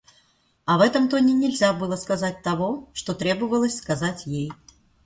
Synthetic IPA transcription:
ɐvɛt̪ɐmt̪ɔnʲɛnʲɛlʲzʲabɨlˠɐskazat͡s̚ʲt̪avɔʂt̪ɔt̪ɾʲɛbɨvɐlˠəsʲskazat͡sʲjej

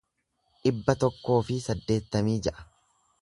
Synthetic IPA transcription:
ʔɪbːɐt̪ɔkːo̞ːfɪsɐd̪ːe̞ːt̪ːɐmiːd͡ʒɛʔɐ̥

